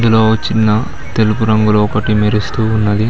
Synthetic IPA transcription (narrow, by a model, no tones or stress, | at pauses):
d̪ulo̞ːɐt͡ʃːinːɐ | t̪e̞lupuɾɐŋɡuluɔkɐʈimeɾist̪uːnːɐd̪i